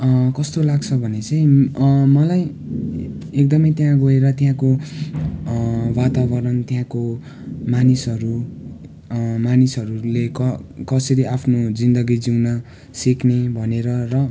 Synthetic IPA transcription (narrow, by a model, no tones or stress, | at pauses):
kʌst̪olaɡt͡sʰʌbʱʌnet͡sʌj̃mʌlaj | ek̚d̪ʌmʌjt̪jãɡoeɾʌt̪jãko | wat̪abʌɾʌnt̪jãko | manisʌɾu | manisʌɾulekʌkʌsʌɾiapʰnod͡zind̪ʌɡid͡ziwnʌ | siknebʱʌneɾʌrʌ